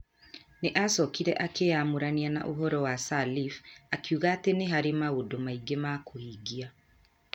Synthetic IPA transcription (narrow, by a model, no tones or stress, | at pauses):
neʔasɔkiɾɛʔakeamoɾaniana̰ʔoɦɔɾɔwasalifakjuːɣaːteneɦaɾemaodomaiɡemakohiɡia